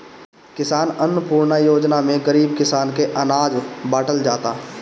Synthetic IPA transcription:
kɪsaːnənəpuːɾnajoːd͡ʒnamẽɡəɾiːbkɪsaːnkeʔɐnaːd͡ʒbaːʈəld͡ʒaːt̪aː

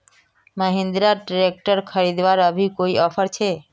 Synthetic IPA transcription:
məɦind̪ɾaʈɾek̚ʈəɾkʰəɾid̪ʋaɾəbʱikoiɔpʰəɾt͡ʃʰe

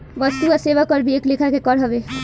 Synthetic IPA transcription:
bʌst̪uaseʋakɔɾbieklekʰakekɔɾɦɔbe

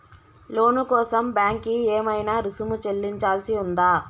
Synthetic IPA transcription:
lo̞ːnukɔːsɐmbjaːŋkieːmɐjnaːɾusumut͡ʃe̞lːiɲt͡ʃaːlsiund̪aː

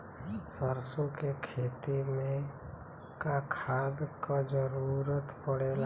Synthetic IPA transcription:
səɾsõkekʰeːt̪imẽ | kakʰaːd̪kad͡ʒəɾuɾət̪pəɽeːla

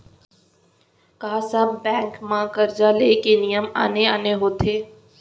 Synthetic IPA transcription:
kaɦãsabbɛ̃ːŋkmãkəɾd͡ʒaleːkenijəma̰ːneaːneɦoːt̪ʰeː

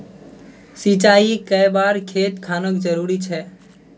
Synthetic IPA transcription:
sit͡ʃaːikəjbaːɾkʰet̪kʰaːnəkd͡ʒəɾuːɾit͡ʃʰɛ

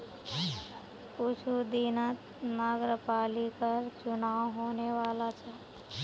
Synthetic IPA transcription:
kʊt͡ʃʰud̪iːnət̪ | naːɡɾəpaːlikəɾt͡ʃʊnaːoɦoːneʋaːlat͡ʃʰɛː

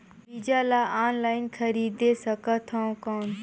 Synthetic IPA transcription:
biːd͡ʒaːlaːaːnlaːɪnkʰəɾiːd̪esəkat̪ʰaõkaːn

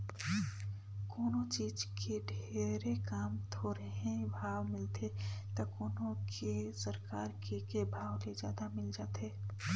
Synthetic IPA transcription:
koːnõt͡ʃiːd͡ʒkʰeɖʱeːɾekaːmt̪ʰoɾɐɦẽbʱaːwmɪlt̪ʰet̪ɐkoːnõkʰesəɾkaːɾkekebʱaːwled͡ʒjaːd̪amɪld͡ʒaːt̪eː

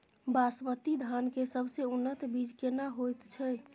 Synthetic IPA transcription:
basmət̪id̪ʱankesəbʱseunːət̪bid͡ʒkenaɦojt̪t͡ʃʰɛj

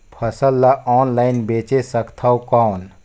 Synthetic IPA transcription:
pʰəsəlːaʔɔːnlaːɪnbeːt͡ʃesəkt̪ʰaokaːn

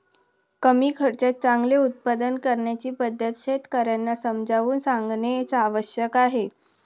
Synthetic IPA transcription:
kəmiːkʰəɽt͡ɕat̪̚t͡saŋɡleut̪̚pad̪ənkəɾɳjat͡ɕiːpəd̪ʱjət̪ɕet̪kəɾjanːasəmd͡ʑʱaʋuːnsaŋɡneet͡saːʋəɕjəkaɦe

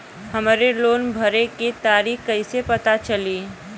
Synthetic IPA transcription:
hɐmːɾeloːnbʱəɾekit̪aːɾiːhkɐɪsepɐt̪at͡ʃɐliː

